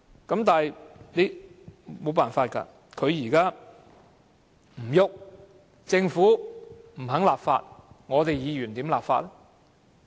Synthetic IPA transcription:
kɐ˨˥mt̪aː˨hjne˨˧jmo˨˧wpaː˨˩nfaː˧t̚kɐ̰˧ | kʰɵ˨˧ɥjiː˨˩kaː˥ | m̩˨˩jʊ˨k̚ | t͡sɪ˧ŋfuː˨˥m̩˨˩ɦɐ˨˥ŋlaː˨pfa̰ː˧t̚ŋɔː˨˧t̪e˨jjiː˨˧jyː˨˩nt̪iː˨˥mlaː˨p̚fa̰ː˧t̚ɛ˥

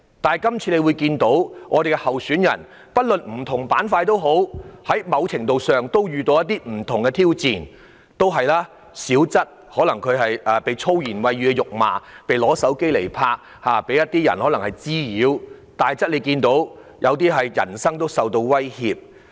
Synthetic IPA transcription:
t̪aː˨nɐ˨˩jkɐ˥mt͡sʰi˧le˨˧wu˨˧jkiː˧nt̪o˨˥wŋʔɔː˨˧d̪e˨jɡɛ˧hɐ˨wsyː˨˥njɐ̰˨˩n | pɐ˥t̚lɵ˨nm̩˨˩t̪ʰʊ˨˩ŋpaː˨˥nfaː˧jt̪o˥wɦo˨˥whɐ˨˥jmɐ˨˧wt͡sʰɪ˨˩ŋt̪o˨˧wsœː˨ŋt̪o˥wjyː˨t̪o˧wjɐ˥t̪̚ːiː˥m̩˨˩t̪ʰʊ˨˩ŋɡɛ˧t̪ʰiː˥wt͡siː˨n | t̪o˥wɦɐ˨jlaː˥ | siː˨˥wt͡sɐ˥t̚ | hɔː˨˥lɐ˨˩ŋkʰɵ˨˧ɥɦɐ˨jʔɐː˨pe˨˧jt͡sʰo˥wjiː˨˩nwɐ˨˧jyː˨˧kɛ˧jʊ˨k̚ma̰ː˨˩pe˨jlɔː˨˥sɐ˨˥wke˥jle˨˩jpʰaː˧k̚ | haː˨˧pe˨˥jɐ˥t̚t̪iː˥jɐ̰˨˩nhɔː˨˥lɐ˨˩ŋhɐ˨jt͡siː˥jiː˨˥wt̪aː˨˩jt͡sɐ˥t̚le˨˧jkiː˧nt̪o˨˥w | jʔɐ˨˧wt̪̬iː˥ɦɐ˨jjɐ̰˨˩nsɐ˥ŋt̪o˥wsɐ˨wt̪o˧wwɐ˥jhiː˨p̚

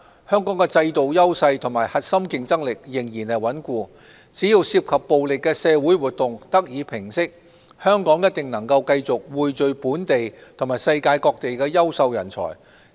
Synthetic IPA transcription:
hœː˥ŋkɔː˨˥ŋkɛ˧t͡sɐ˧jt̪o˨wjɐ˥wsɐ˧jt̪ʰʊ˨˩ŋmaː˨˩jhɐ˨t̚sɐ˥mkɪ˧ŋt͡sɐ˥ŋlɪ˨k̚jɪ˨˩ŋjiː˨˩nhɐ˨jwɐ˨˥nkʷuː˧ | t͡siː˨˥jiː˧wsiː˧˥p̚kʰɐ˨pːo˨wlɪ˨kːɛː˧sɛː˨˧wuː˨˥jwuː˨t̚t̪ʊ˨ŋt̪ɐ˥k̚jiː˨˧pʰɪ˨˩ŋsɪ˥k̚ | hœː˥ŋkɔː˨˥ŋjɐ˥t̚t̪ɪ˨ŋnɐ˨˩ŋkɐ˧wkɐ˧jt͡sʊ˨k̚wuː˨jt͡ʃɵ˨˧ɥpuː˨˥nt̪e˨jt̪ʰʊ˨˩ŋmaː˨˩jsɐ˧jkaː˧jkɔː˧k̚t̪e˨jkɛː˧jɐ˥wsɐ˧wjɐ̰˨˩nt͡sʰɔ̰ː˨˩j

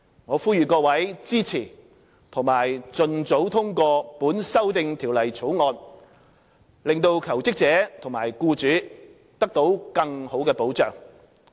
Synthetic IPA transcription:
ŋɔː˨˧fuː˥jyː˨kɔː˧wɐ˨˥jt͡siː˥t͡sʰiː˨˩ | t̪ʰʊ˨˩ŋmaː˨˩jt͡sɵ˧nt͡so˨˥wt̪ʰʊ˥ŋkɔː˧puː˨˥nsɐ˥wt̪ɪ˧ŋt̪ʰiː˨˩wlɐ˨˩jt͡sʰo˨˥wŋɔː˧n | lɪ˨ŋt̪o˧wkʰɐ˨˩wt͡sɪ˥k̚t͡sɛː˨˥t̪ʰʊ˨˩ŋma̰ː˨˩jkuː˧t͡syː˨˥ | t̪ɐ˥k̚t̪o˨˥wkɐ˧ŋho˨˥wkɛː˧po˨˥wt͡sœː˨˩ŋ

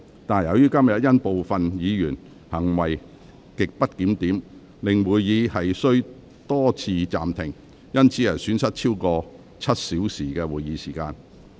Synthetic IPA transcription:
t̪aː˨˩njɐ˨wjyː˥kɐ˥mjɐ˨t̚jɐ˥npo˨wfɐ˨njiː˨˧jyː˨˩n | hɐ˨˩ŋwɐ˨j | kɪ˨k̚pɐ˥t̚kiː˨˥mt̪iː˨˥m | lɪ˨˩ŋwuː˨jjiː˨˧hɐ˨jsɵ˥ɥ | t̪ɔː˥t͡sʰiː˧t͡sa̰ː˨mt̪ʰɪ˨˩ŋ | jɐ˥nt͡sʰiː˨˥jɐ˨jsyː˨˥nsɐ˥t̚t͡ʃʰiː˥wkɔː˧ | t͡sʰɐ˥t̚siː˨˥wsiː˨˩kɛː˧wuː˨jiː˨˥siː˨˩kaː˧n

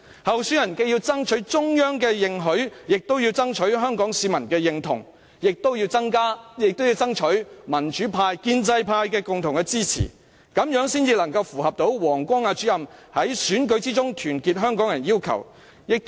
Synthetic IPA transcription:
hɐ˨wsyː˨˥jɐ˨˩nkɛː˧ji˧wt͡sɐ˥ŋt͡ʃʰɵ˨˥ɥt͡sʊ˥ŋjœː˥ŋkɛː˧jɪ˨ŋɦɵ˨˥ɥjɪ˨k̚t̪o˥wjiː˧wt͡sɐ˥ŋt͡ʃʰɵ˨˥ɥɦœː˥ŋkɔː˨˥ŋsiː˨˧mɐ˨˩nkɛː˧jɪ˨ŋt̪ʰʊ̰˨˩ŋ | jɪ˨k̚t̪o˥wji˧wt͡sɐ˥ŋkaː˥jɪ˨k̚t̪wji˧wt͡sɐ˥ŋt͡ʃʰɵ˨˥ɥmɐ˨˩nt͡ʃyː˨˥pʰaː˧jkiː˧nt͡sɐ˧jpʰaː˧jkɛː˧kʊ˨ŋt̪ʰʊ˨˩ŋkɛ˧t͡siː˥t͡sʰḭː˨˩ | kɐ˨˥mjœː˨˥ŋsiː˥nt͡siː˧lɐ˨˩ŋkɐ˧wfuː˨˩hɐ˨p̚t̪o˨˥wwɔː˨˩ŋkʷɔː˥ŋaː˧t͡syː˨˥jɐ˨mhɐ˨˥jsyː˨˥nkɵ˨˥ɥt͡siː˥t͡sʊ˥ŋt̪ʰyː˨˩nkiː˧t̚ɦœː˥ŋkɔː˨˥ŋjɐ˨˩njiː˥wkʰɐ̰˨˩w | jɪ˨k̚t̪

